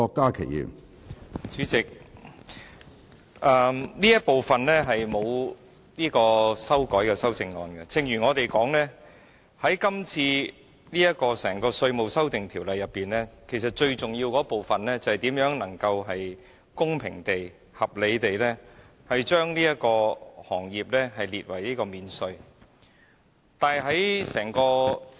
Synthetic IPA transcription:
ɔː˧kːaː˥kʰe˨˩jjḭː˨˩m | t͡ʃyː˨˥t͡sɪ˨k̚ | ʔɐː˨˧mniː˥jɐ˥t̚po˨˩wfɐ˨nlɛː˥ɦɐ˨jmo˨˧w | niː˥kɔː˧sɐ˥wkɔː˨˥jkɛː˧sɐ˥wt͡sɪ˧ŋŋɔ̰ː˨˧nkɛ˧t͡sʰɪ˨ŋjyː˨˩ŋɔː˨˧t̪e˨jkɔː˨˥ŋlɛː˥ | hɐ˨˥jkɐ˥mt͡sʰiː˧ | niː˥jɐ˥t̚kɔː˧sɛː˨˩ŋkɔː˧sɵ˧ɥmo˨wsɐ˥wt̪ɪ˨ŋt̪ʰiː˨˩wlɐ˨jːɐ˨pːiː˨˩nlɛː˥kʰe˨˩jsɐ˨t̚t͡ʃɵ˧ɥt͡sʊ˨ŋjiː˧wkɔː˨˥po˨wfɐ˨nlɛː˥t͡sɐ˨hɐ˨˩t̪iː˨˥mjœː˨˥ŋnɐ˨˩ŋkɐ˧wɦɐ˨j | kʊ˥ŋpʰɪ̰˨˩ŋt̪e˨j | hɐ˨p̚le˨˧jt̪e˨jlɛː˥ | hɐ˨jt͡ʃœː˥ŋniː˥jɐ˥t̚kɔː˧hɔː˨˩ŋjiː˨p̚lɛː˥ɦɐ˨jliː˨t̚wɐ˨˩jliː˥kɔː˧miː˨˧nsɵ˧ɥ | t̪aː˨ɦɐ˨˥jsɛː˨˩ŋkɔː˧

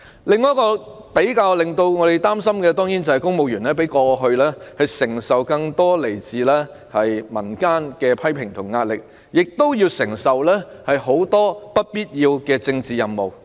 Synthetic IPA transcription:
lɪ˨˧ŋːɔː˨˦˥kɔː˧ | pe˨˥jkaː˧wlɪ˨ŋt̪o˧wŋɔː˨˧ɾe˨˩jt̪aː˥msɐ˥mkɛː˧t̪ɔː˥ŋjiː˨˥nt͡sɐ˨whɐ˨jkʊ˥ŋmo˨˧wjyː˨˩nlɛː˥pe˨˥jkɔː˧ɦɵ˧ɥlɛː˥hɐ˨jsɪ˨˩ŋsɐ˨wkɐ˧ŋt̪ɔː˥le˨˩jt͡siː˨lɛː˥ | hɐ˨jmɐ˨˩nkaː˥nkɛː˧pʰɐ˥jpʰɪ˨˩ŋt̪ʰʊ˨˩ŋŋaː˧t̚lɪ˨k̚ | jɪ˨k̚t̪o˥wjiː˧wsɪ˨˩ŋsɐ˨wlɛː˥hɐ˨jɦo˨˥wt̪ɔː˥pɐ˥t̚piː˥t̚jiː˧wkɛː˧t͡sɪ˧ŋt͡siː˨˧jɐ˨mːo˨w

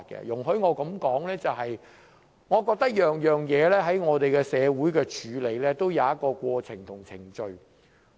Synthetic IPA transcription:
t̚kɛ̰˧jʊ˨˩ŋɦɵ˧ɥŋɔː˨˧kɐ˨˥mkɔː˨˥ŋlɛː˥t͡sɐ˨wɦɐ˨j | ŋɔː˨˧kɔː˧k̚t̪ɐ˥k̚jœː˨ŋjœː˨˩ŋjɛː˨˧lɛː˥ɦɐ˨˥jŋɔː˨˧t̪e˨jkɛː˧sɛː˨˧wuː˨˥jkɛː˧t͡ʃʰyː˨˥le˨˧jlɛː˥t̪o˥wjaɐ˨˧wjɐ˥t̚kɔː˧kʷɔː˧t͡sʰɪ˨˩ŋt̪ʰʊ˨˩ŋt͡sʰɪ˨˩ŋt͡ʃɵ˧ɥ

